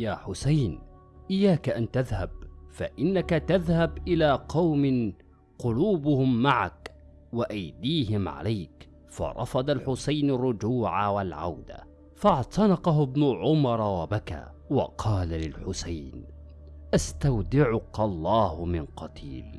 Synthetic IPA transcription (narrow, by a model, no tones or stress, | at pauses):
jaːħʊsajnʔɪjːaːkaʔant̪aðhab̚fa̰ʔɪnːakat̪aðhabʔɪlaːqɑwmɪ | qʊluːbʊhʊmːaʕa̰k | waʔajd̪iːɦɪmʕa̰lajk | fɑ̰ɾˤʔɑ̰fɑd̪ˤalħʊsajnarˤːʊd͡ʒuːʕawalʕa̰wd̪a̰ | fɑʕt̪ˤɑnɑqɑɦʊbnʊʕʊmɑɾˤɑwabaka̰ː | wɑ̰qʰɑːlalɪlħʊsajn | ʔast̪awd̪ɪʕʊkɑlˤːɑːhʊmɪnqɑt̪ḭːl